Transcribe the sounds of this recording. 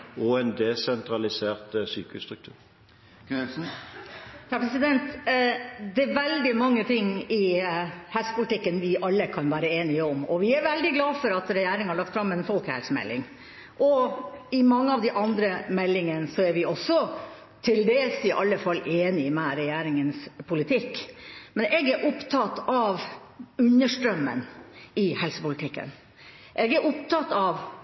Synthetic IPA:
ɔɛnd̪ɛsɛnt̪ʰɾɑlɪseːʁt̪syːkəst̪ɾʉkt̪ʰʉ̰ːɾ | hæɾpʰɾɛsɪd̪ɛnt̪ | d̪ɛːʋɛld̪ɪmɑŋːət̪ʰɪŋːɪhɛlsə̥pʊlɪt̪ɪkːənʋɪʔɑlːəkʰɑnʋæːɾəeːnɪəɔmɔʋɪæɾʋɛld̪ɪɡlɑːfɔɾɑt̪ɾɛjæːɾɪŋhɑɾɭɑk̚t̪fɾɑmːɛnfɔlkhæ̰lsmɛ̰lːɪ̰ŋ | ʔɔɪmɑŋːəɑʋd̪ɛʔɑnd̪ɾəmɛlːɪŋənsɔæɾʋɪʔɔsːɔ | t̪ʰɪld̪eːlsɪʔɑlːəfɑlːʔeːnɪmɛɾɛjæːɾɪŋənspʰʊlɪt̪ʰɪkːmɛneːɡæɾʔʊpt̪ʰɑt̪ːɑʋ | ʉnːəʂʈɾœmːə̰nɪhɛlsə̥pʊlɪt̪ʰɪkːə̰n | ʔeːɡæɾʔʊpt̪ɑt̪ːɑʋ

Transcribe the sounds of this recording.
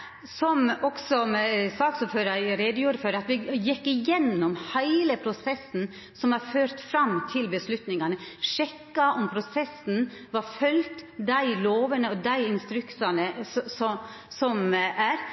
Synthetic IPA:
sɔmɔksɔsɑːksɔføːɾɑɾɾeːd̪əjuːɾəføːɾəɑt̪ʋɪjɪkːɪjɛnːɔmhæɪləpʰɾʊsɛsn̩ | sɔmhɑɾføːɾt̪fɾɑmt̪ʰɪlbəslʉt̪nɪŋɑnəʂɛkːɑʔɔmpʰɾʊsɛsn̩ʋɑɾfœlt̪d̪æɪloːʋənəɔd̪æɪɪnst̪ɾʉksɑnəssɔ | sɔmæɾ

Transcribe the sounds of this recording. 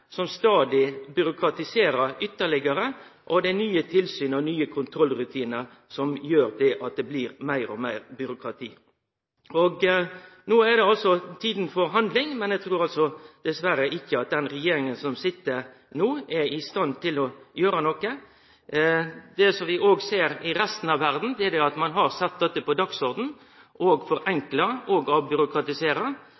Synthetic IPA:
sɔmst̪ɑːd̪ɪbʏɾʊkʰɾɑt̪ɪseːɾəɾʏt̪ːəɭɪɡəɾəʔɔd̪ɛnyːət̪ʰɪlsyːnɔnyːəkʰʊnt̪ʰɾɔlːɾʉt̪ʰiːnəɾ | sɔmjøːɾd̪ɛʔɑt̪̚d̪ɛbliːɾmæɪɾɔmæɪɾbʏɾʊkʰɾɑt̪ʰiː | ɔɡnoːæd̪ɛɑlsɔt̪ʰiːd̪n̩fɔɾɦɑnd̪lɪŋmɛnæɪɡ̚t̪ʰɾuːɾɑlsɔd̪̥ɛsʋæɾəʔɪçːəɑt̪̚d̪ɛnɾɛjeːɾɪŋənsɔmsɪt̪ːəɾ | nuːɛɪst̪ɑnt̪ʰɪlɔjøːɾənɔkːə | d̪̥ɛsɔmʋɪʔoːɡseːɾɪɾɛst̪n̩ɑʋʋæɾd̪n̩d̪ɛɛd̪ɛɑt̪mɑnɦɑɾsɛt̪̚d̪ɛt̪ːəpɔd̪ɑksɔɾd̪n̩ | ʔɔːɡfɔɾɛŋklɑɔɡɑbʏɾʊkɾɑt̪ɪseːɾɑ

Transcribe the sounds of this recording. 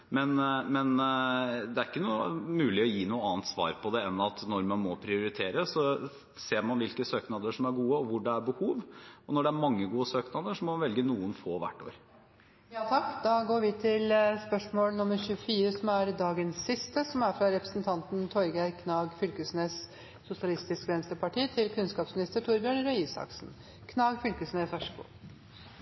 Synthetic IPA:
mɛnmɛn | d̪ɛæɾɪkːənuːəmʉːlɪɔjiːnuːəɑːənt̪sʋɑ̰ːɾpʰɔd̪ɛɛnːɑt̪nɔɾmɑnmɔpʰɾɪʊɾɪt̪ʰeːɾəsɔ | seːɾmɑnʋɪlkəsøːknɑd̪əʂɔmæɾɡuːəɔʋʊɖɛæɾbəhuːʋɔnɔɖɛæɾmɑŋːəɡuːəsøːknɑd̪əʂɔmɔmɑnʋɛlɡənuːənfoːʋæ̰ʈːo̰ːɾ | jɑːt̪ʰɑkːd̪ɑɡoːɾʋɪt̪ʰɪlspœʂmoːlənʊmːəɾçʉfiːɾəsɔmæɾd̪ɑːɡənsːɪst̪əsɔmæɾfɾɑɾɛpɾəsnt̪ʰɑnt̪nt̪ʰɔɾɡæɪkʰnɑːɡfʏlkəsnes | sʊsɪɑlɪst̪ɪskʋɛnst̪əɾpʰɑʈiːt̪ʰɪlkʰʉnskɑːpsmɪnɪst̪əʈʰʊɾbjøːɳɾœiːsɑ̰ksn | kʰnɑːɡfʏlkəsnefæʂkṵː

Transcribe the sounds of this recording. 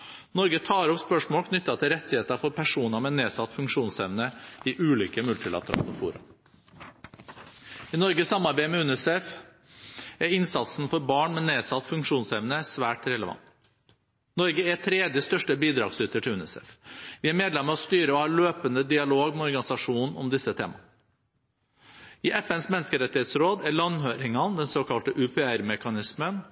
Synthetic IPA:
nɔɾɡət̪ʰɑːɾɔpspœʂmoːlkʰnʏt̪ːɑt̪ʰɪlɾɛt̪ːɪheːt̪ɑfɔɾpʰæʂuːnəmɛneːsɑt̪ːfʉŋkʂuːnsɛʋnəɪʔʉːliːkəmʉlt̪ɪlɑ̰t̪əɾɑ̰ːlɔfṵːɾɑ̰ | ɪnɔɾɡəsɑmːɑɾbæɪmɛʉnɛsɛf | æɾɪnsɑt̪sn̩fɔɾbɑːɳmɛneːsɑt̪ːfʉŋkʂuːnsɛʋnəsʋæːʈɾɛləʋɑ̰nt̪ | nɔɾɡəætʰɾeːd̪jəst̪œʂʈəbiːd̪ɾɑ̰ːɡsʉt̪əʈʰɪlʉnɛ̰sɛ̰fʋɪːæɾmeːd̪lɛmːəɔst̪yːɾəɔhɑːɭøːpənd̪əd̪ɪɑloːɡmɛɔɾɡɑnɪsɑʂuːnn̩ɔ̰md̪ɪsːət̪ʰḛːmɑ̰ | ɪːʔɛfɛnsmɛnːəskəɾɛt̪ːɪheːt̪sɾoːd̪æɭɑnɦøːɾɪŋɑnd̪ɛnsoːkɑlt̪əʔʉpʰɛæɾmɛkɑnɪsmən

